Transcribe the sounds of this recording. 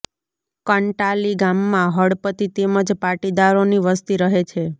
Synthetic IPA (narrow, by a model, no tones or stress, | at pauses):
kəɳʈaliɡamːãɦəɽpət̪it̪eməd͡ʒpaʈid̪aɾoniʋəst̪iɾəɦet͡ʃʰe